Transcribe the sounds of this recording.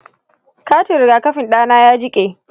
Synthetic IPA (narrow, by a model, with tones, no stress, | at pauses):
kaː˦tɪ˨ɾɪ˨ɡaː˨kɐ˦ɸɪ˨nɗaː˦naː˦jaː˦d͡ʒɪ˦kʲʼeː˨